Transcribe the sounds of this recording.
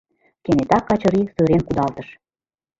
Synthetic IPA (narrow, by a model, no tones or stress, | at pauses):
kenet̪ɑkːɑt͡ɕɤ̆ɾisøɾenkud̪ɑlt̪ə̆ʃ